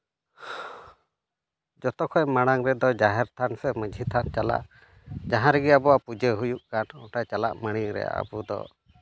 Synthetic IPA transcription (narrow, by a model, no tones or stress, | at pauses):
d͡ʒɔt̪ɔkʰɔjmaɽ̃aŋɾɛd̪ɔd͡ʒaɦɛɾt̪ʰanpʰɛməd͡ʒʱit̪ʰant͡ʃala̰ʔ | d͡ʒaɦãɾɛɡɛabɔwaʔpud͡ʒəɦujuʔkanɔʈajt͡ʃala̰ʔməɽ̃iɾɛ̰ja̰ʔə̰bud̪ɔ̰